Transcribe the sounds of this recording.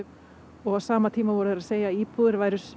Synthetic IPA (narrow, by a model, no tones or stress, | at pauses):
ʏ | ɔɣawsaːmat̪ʰiːmavɔːɾʏðɾaðseːjaiːpʰuðɪɾvaːjɾʏɾs